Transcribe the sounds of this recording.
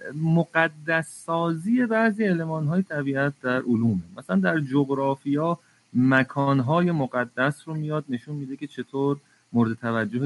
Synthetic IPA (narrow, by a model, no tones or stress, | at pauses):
moɡæd̪ːæsːɒːziːje̞bæʔziele̞mɒːnɦɒːjet̪ʰæbiːæt̪̚ʰd̪æɾʔoluːmemæsælænd̪æɾd͡ʒoɣɾɒːfijɛː | mækʰɒːnɦɒːje̞moɣæd̪ːæsɾomijɒːd̪̚ne̞ʃunmiːd̪e̞kʰʲe̞t͡ʃʰe̞t̪ʰoːɾ | moɾed̪et̪ʰævæd͡ʒːohe